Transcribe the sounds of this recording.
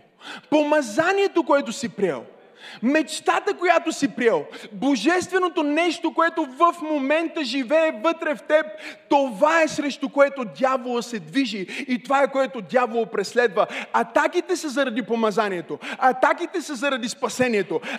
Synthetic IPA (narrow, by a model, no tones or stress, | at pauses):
pomɐzaniɛt̪okoɛt̪osipɾʲiɛ̰lˠ | mɛt͡ʃt̪at̪əkojat̪osipɾʲɛlˠboʒɛst̪vɛnot̪onɛʃt̪okoɛt̪ovəfmomɛnt̪əʒivɛːvət̪ɾɛft̪ɛp̚t̪ovaɛsɾɛʃt̪ʊkoɛt̪od̪javolˠəsɛd̪viʒiːt̪ovaɛkoɛt̪od̪javolˠopɾɛslɛd̪vəɐt̪akit̪ɛsɐzɐɾɐd̪ipomɐzaniɛt̪oɐt̪akit̪ɛsɐzɐɾɐd̪ispɐsɛniɛt̪o